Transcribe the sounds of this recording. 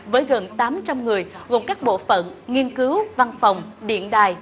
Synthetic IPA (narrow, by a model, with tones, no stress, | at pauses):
vəː˨˦jɣə˨˩nt̪aː˨˦mt͡ɕa˧mŋɨ˨˩əjɣo˨˩mkaː˦˥k̚ɓo̰˧˨fə̰˧˨nŋi˧ənkɨ˨˦wva˧nfa˨˩wŋ͡mɗḭ˧˨ənɗaː˨˩j